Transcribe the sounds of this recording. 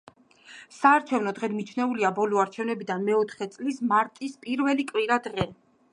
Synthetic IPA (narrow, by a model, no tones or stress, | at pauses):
saːɾt͡ʃʰɛvnɔd̪ʁɛd̪mit͡ʃʰnɛuliabɔlɔaɾt͡ʃʰɛvnɛbid̪anmɛɔt̪ʰχɛt̪sʼlismaɾt̪ʼispʼiɾvɛlikʼwiɾad̪ʁɛ